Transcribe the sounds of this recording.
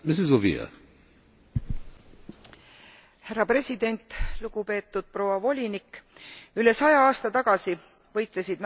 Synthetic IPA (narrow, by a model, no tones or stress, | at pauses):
mɪsizovḭɛ̰ | hærːɑpre̞sʲid̪̥e̞nʲt̪ːluɡ̥upe̞ːt̪ːˑud̪̥̚pro̞ːwɑvo̞lʲinikːyle̞sɑjɑɑːst̪ɑt̪ɑɡ̥ɑsi | vɤjt̪ˑlesid̪̥n